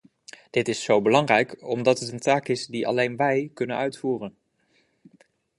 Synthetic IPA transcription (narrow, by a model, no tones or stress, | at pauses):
d̥ɪtɪsowbəlɑŋrɛjkɔmdɑtətəntaːkɪsdiʔɑ̰lejnʋɛjkɵnənœɥtfuːrən